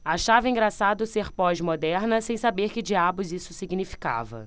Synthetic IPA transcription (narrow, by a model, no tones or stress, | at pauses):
aʃavɐĩɡɾasad̪ʊseɾpɔʒmod̪ɛɾnɐsẽj̃sabeɾkɪd͡ʒiabʊzisʊsiɡnifi̥ka̰vɐ̰